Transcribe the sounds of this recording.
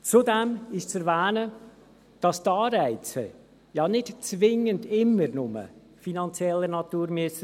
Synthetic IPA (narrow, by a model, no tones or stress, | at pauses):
t͡sudɛmɪʃt͡sɛɾvæːnə | d̥ɑstɑːɾæɪt͡sə̰ | jɑnɪtt͡svɪŋəndɪmːəɾnʊmə̰ | finɑnt͡sjɛlːənɑtuːɾmyəs